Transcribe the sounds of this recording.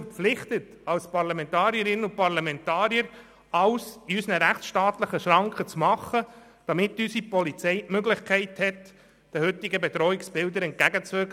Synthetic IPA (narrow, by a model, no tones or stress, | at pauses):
ɾpp͡fflɪχt̪ət | ɑwspɑɾlɑmɛntɑːɾiəɾɪnəʊpɑɾlɑmɛnt̪ɑːɾjəɾ | ɑwsiysnəɾæχt͡ssʃtɑːt̪ləχəʃɾɑŋkχət͡smɑχːə | d̥ɑmɪt̪ːysipɔlit͡sɛɪmøɡlɪχkʰɛɪthɛt̪ | d̥əhʏtːɪɡəbɛt̪ɾɔɪksb̥ɪld̪əɾɛnt̚kæɡət͡sʋøk